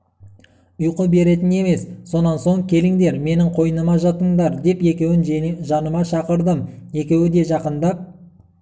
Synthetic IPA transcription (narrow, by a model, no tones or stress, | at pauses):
ʊjqəbe̞ɾe̞t̪ɪne̞me̞sːo̞nɑnso̞ŋkʲʰe̞lɪŋd̪e̞ɾme̞nɪŋqʰo̞jənəmɑʒɑt̪əɴd̪ɑɾd̪e̞pe̞kʲe̞wɪnʒɑnəmɑʃɑqəɾd̪əme̞kʲe̞wɪd̪e̞ʒɑqənd̪ɑp̚